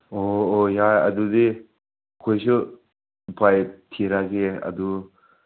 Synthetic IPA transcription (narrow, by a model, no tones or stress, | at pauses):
oːjaja̰d̪udi | kʰojsɯ | pʰajtʰiɾaɡeɐ̰du